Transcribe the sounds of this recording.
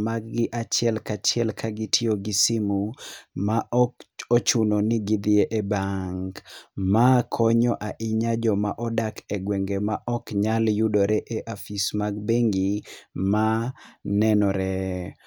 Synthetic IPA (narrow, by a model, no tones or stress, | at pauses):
maɡɪʔat͡ʃɪɛlkat͡ʃɪɛlkʰaɡɪtʰioɡɪsɪmumaʔɔot͡ʃunonɪɡɪd̪ɪeʔebaŋɡmakʰɔɲɔʔaʔɪɲad͡ʒɔmaʔɔdakʰɛɡweŋɡemaʔɔkɲaljudoɾɛʔeʔafismaɡbeŋɡimanɛnɔɾɛ